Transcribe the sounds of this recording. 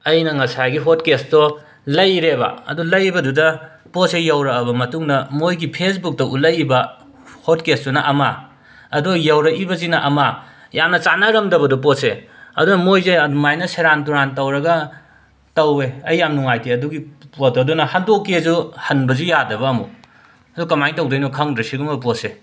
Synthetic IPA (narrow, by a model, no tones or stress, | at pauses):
ɐjnɐŋɐsajɡiɦot̚kestɔ | lɐjɾebɐ̰ɐ̰dulɐjbɐdudɐ | posejawɾɐkɐbɐmɐtuŋnɐmojɡipʰesbuk̚tɐʔulɐjibɐ | hot̚kestunɐʔɐma | ɐdujɐwɾɐibɐzinɐʔɐma | jamnɐt͡ʃanɐɾɐmdɐbɐdup̬oseɐ̰dunɐmojzeɐdumajnɐseɾantuɾantɐwɾɐɡɐ | tɐweɐjːamnuŋajtiɐduɡipotɐdunɐhɐndokːiɐzuhɐnbɐzujadɐβɐːmṵ | ɐdukɐmajŋtɐwdɐjnɔkʰaŋdɾɐsiɡumbɐp̬ose